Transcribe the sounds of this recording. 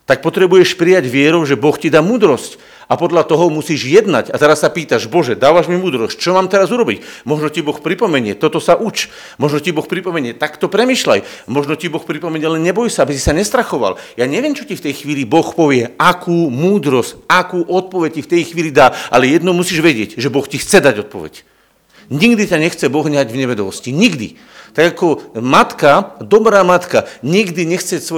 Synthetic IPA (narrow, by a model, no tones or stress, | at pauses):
t̪ak̚pɔt̪ɾɛbujɛʃpɾijaɟʋɪɛɾɔʊʒɛbɔxcid̪aːmuːd̪ɾɔsc | apɔd̪ʎat̪ɔɦɔmusiːʒjɛd̪na̰ɟat̪ɛɾasːapiːt̪aʒbɔʒɛd̪aːʋaʒmimuːd̪ɾɔsct͡ʃɔmaːmt̪ɛɾazuɾɔbicmɔʒnɔcibɔxpɾipɔmɛɲɪɛt̪ɔt̪ɔsaʔut͡ʃ | mɔʒnɔcibɔxpɾipɔmɛɲɪɛt̪akt̪ɔpɾɛmiːʃla̰j | mɔʒnɔcibɔxpɾipɔmɛɲɪɛlɛnɲɛbɔjsaabisi̥saɲɛst̪ɾaxɔʋa̰ljaːɲɛʋɪɛmt͡ʃɔcift̪ɛjxʋiːlibɔxpɔʋɪɛʔakʰuːmuːd̪ɾɔscakuːʔɔt̪̚pɔʋɛc̚cift̪ɛjxʋiːlid̪aːʔalɛjɛd̪nɔʊmusiːʒʋɛɟɪɛɟʒɛbɔxcixt͡sɛd̪aɟɔt̪̚pɔ̰ʋɛ̰c | ɲiɡd̪icaɲɛxt͡sɛbɔɣɲaɟvɲɛʋɛd̪ɔʋɔsciɲiɡd̪ḭ | t̪aɡakɔmat̪kad̪ɔbɾaːmat̪kaɲiɡd̪iɲɛxt͡sɛsʋɔ